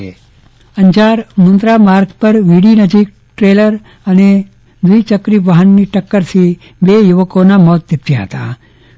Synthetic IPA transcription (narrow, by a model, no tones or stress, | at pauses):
əɲd͡ʒaɾmʊnt̪ɾamaɾkpəɾʋiɽinəd͡ʒik̚ | ʈɾeləɾ | əne | d̪ʋuit͡ʃəkɾiʋaɦənːiʈəkːəɾt̪ʰi | bejʊʋəkonamɔt̪̚d̪ipt̪jaɦə̰t̪a̰